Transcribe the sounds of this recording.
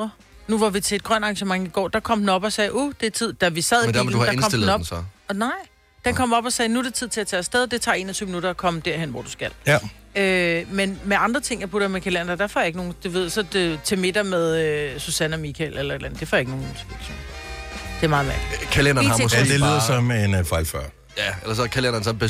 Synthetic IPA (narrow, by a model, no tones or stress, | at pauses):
nuʋɑ̈ʋit͡sʰe̝ːd̥̚ɡ̥ʁɶnɑ̈ŋɕəmɑ̈ŋiɡ̥ɒ̰ːd̥ɑ̈kʰɒ̽m̰hun̩ɒ̽b̥ɒ̽sɛːʔod̥e̝t͡sʰið̰ˠd̥æʋisɛðˠmnd̥æɐmed̥uhɑdɑ̈eknɒ̽mdelnð̩nɒbn̩sɒnɑ̈ɪ̰ | d̥enkʰɒ̽m̰ɒ̽b̥ɒ̽sɛːnud̥e̝t͡sʰið̰ˠt͡sʰe̝æt͡sʰæːsd̥eðˠd̥e̝t͡sʰɑ̰̈ːe̝̰ːnɐt͡sʰyʊ̰minuɾɐːkʰɒ̽məd̥æɐ̰ɦenʋɒ̰d̥usɡ̥æl | ømenmeɑ̈nd̥ʁɐt͡sʰe̝ŋ̰jɐpʰuɾ̥ɐmekʰælæn̰ɐd̥æɐfɒjɑe̝ɡ̥no̝ːn̩d̥uʋe̝ð̰ˠsɒ̥̽t͡sʰe̝me̝d̥ɐmeð̞ˠøsusænæmikʰælʔelɐe̝dlæn̩ˠd̥e̝fɒjaeɡno̝ːnt͡sʰeme̥so̰n | d̥e̝ɐmɑ̈ːðˠʋæɐɡ̥i̥kʰælenɐɑɔsdelyːðˠɐsɒmeenfɑɪlfɶɐ̰ | jæelɐsɒkʰælenɐnsɒb̥e